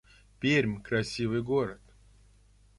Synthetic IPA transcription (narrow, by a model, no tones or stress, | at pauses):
pʲeɾʲmʲkɾɐsʲivɨjɡoɾət̪